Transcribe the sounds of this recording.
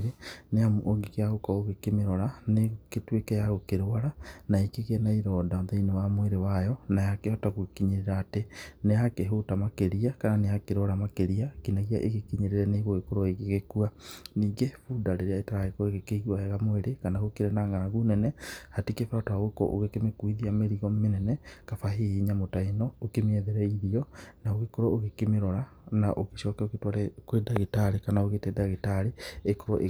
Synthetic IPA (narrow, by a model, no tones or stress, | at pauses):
ɾeneamoŋɡekeaɣokɔoɣekemeɾɔɾaneketwekɛjaɣokeɾoaɾanaikiɣɛnaiɾɔdaðeinowamoeɾewajɔnajakehɔtaɣwkiɲeɾeɾaːtenejakeɦotamakeɾiakananejakeɾwaɾamakeɾiakinaɣia̰ʔeɣekiɲeɾeɾɛneɣoekoɾɔeɣeɣekuaniːŋɡefudaɾeɾeaetaɾaekoeɣekeiɣiwaɛɣamoeɾekanaɣokeɾɛnaːŋɡanaɣunɛnɛhatekefatwaɣoekɔ̰ʔo̰ɣekemekuiðiameɾiɣɔmenɛnɛkafaɦeɲamotainɔokemeɛðeɾɛiðiɔnaoɣekoɾɔoɣekemeɾɔɾa | naʔokeʃɔkɛoketwaɾɛkwedaɣetaɾekanaoɣetɛdaɣetaɾeekoɾɔ̰ʔe